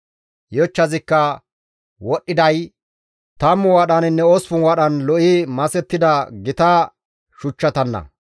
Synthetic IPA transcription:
jɔt͡ʃːɐzɪkːɐ | wɔɗːɪd̪ɐj | t̪ɐmːʊwaːɗɐnɪnːɛɔsfʊnwaɗɐnlɔʔimɐsɛt̪ːɪd̪ɐɡɪt̪a | ʃʊt͡ʃːɐt̪ɐnːɐ̰

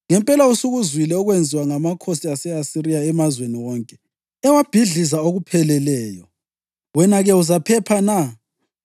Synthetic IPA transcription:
ŋɛmpʼɛlausuɣuzwilɛɔɣwend͡zʱiwaŋamakʰosiasɛasirijaɛmazweniwɔːŋkʼɛ | ɛwab̥ʱiɮizaoɣupʰɛlɛlɛːjɔ | wɛnaɣɛuzapʰɛpʰana

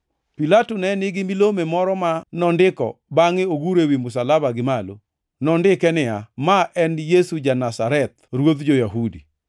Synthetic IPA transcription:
pilatonɛnɪɡɪmilomemɔɾɔmanɔndɪkɔ̰baŋɪoɡuɾewimʊsalabaɡɪmalo̰ | nɔndɪkɛnɪamaʔɛnjesud͡ʒanasaɾɛt̪̚ɾwod̪d͡ʒojaɦudḭ

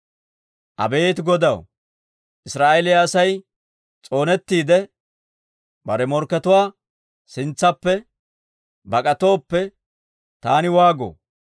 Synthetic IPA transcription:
ʔɐ̰be̞ːt̪ɡɔd̪ɐw | ʔɪsɾaːʔɛlɪjaːsɐj | t͡sʼo̞ːnɛt̪ːiːd̪ɛ | bɐɾɛmɔɾkːɛt̪ʊwaː | sɪnt͡sːɐpːɛ | bɐkʼɐt̪o̞ːpːɛ | t̪aːnɪwaːɡo̰ː

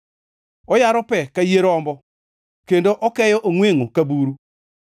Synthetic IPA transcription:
ɔjaɾɔpɛkajeɾɔmbɔ | kendoʔɔkɛjɔʔoŋweŋokabuɾu

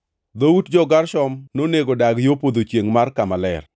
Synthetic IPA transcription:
d̪owutd͡ʒɔɡaɾʃɔmnoneɡodaɡjopod̪ot͡ʃjeŋmarkamalɛ̰r

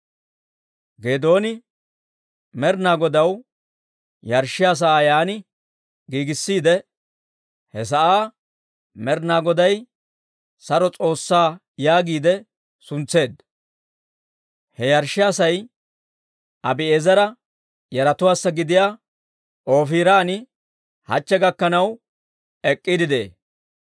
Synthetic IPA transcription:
ɡeːd̪o̞ːnɪ | mɛɾnaːɡɔd̪ɐw | jɐɾʃːɪjaːs̬ɐaːjaːnɪ | ɡiːɡɪsːiːd̪ɛ | hɛs̬ɐʔaː | mɛɾnaːɡɔd̪ɐj | sɐɾɔt͡sʼo̞ːsːaː | jaːɡiːd̪ɛ | sʊnt͡sːe̞ːd̪ | hɛjɐɾʃːɪaːsɐj | ʔɐbɪeːzɐɾɐ | jɐɾɐt̪ʊwaːsːɐɡɪd̪ɪjaː | ʔo̞ːfiːɾaːnɪ | hɐ̰t͡ʃːɛɡɐkːɐnɐw | ɛkʼːɪd̪ɪd̪ḛː

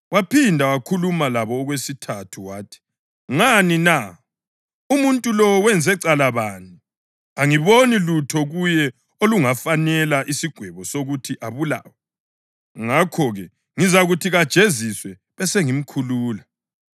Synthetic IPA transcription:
wapʰindʱawakʰulumalaβɔːɣwesitʰatʰuwaːtʰi̥ | ŋanina | umuntʼulɔwɛnd͡zʱɛǀalaβani | aŋiβonilutʰɔɣujɛ | oluŋafanɛlaʔisiɡ̥ʱwɛβɔsoɣutʰiʔaβula̰wa | ŋakʰɔɣɛ | ŋizaɣutʰiɣad̥ʒ̥ʱeziswɛ | βɛseŋim̩kʰuluːla

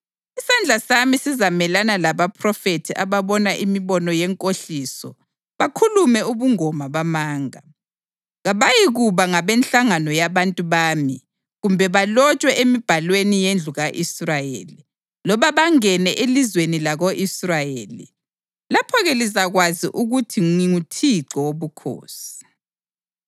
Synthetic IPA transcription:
isand͡ɮʱasamisizamɛlanalaβapʰrɔfetʰiʔaβaβɔnaʔimiβɔnɔjɛŋkʼoɬisɔ | βakʰulumɛuβuŋɔmaβamaːŋa | ɣaβajiɣuβaŋaβenɬaŋanɔjaβantʼuβaːmi | ɣumbʱɛβalɔt͡ʃʼwɛʔemib̥ʱalwenijend͡ɮʱuɣaʔisrajḛːli | lɔβaβaŋɛnɛʔelizwenilaɣoʔisrajelḭ | lapʰɔɣɛlizaɣwaziʔuɣutʰiiŋutʰiǁɔwoβukʰo̰ːsi̥

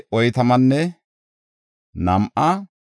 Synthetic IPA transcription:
ʔɔjt̪ɐmɐnːɛ | nɐmʔɐ

